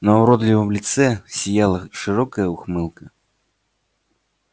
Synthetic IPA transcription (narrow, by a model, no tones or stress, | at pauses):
nɐuɾɔd̪lʲivəmlʲit̪sɛsʲijalˠɐʂɨɾɔkɐjəuxmɨlˠkɐ